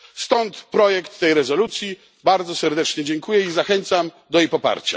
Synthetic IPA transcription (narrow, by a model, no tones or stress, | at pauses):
st̪ɔnt̪pɾɔjɛkt̪ːɛjɾɛzɔlut̪sʲji | baɾd̪zɔsɛɾd̪ɛt͡ʂɲɛd͡ʑɛŋkujɛizaxɛnt̪sam | d̪ɔjejpɔpa̰ɾt͡ɕa̰